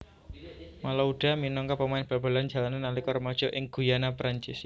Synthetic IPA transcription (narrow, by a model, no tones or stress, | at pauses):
malauɖ̥a̤minɔŋkɔpəmaɪnb̥a̤b̥a̤land͡ʒa̤lananːalikɔrmɔd̥ʒ̥ɔ̤ʔɪŋɡ̥ujanapɾaɲt͡ʃɪs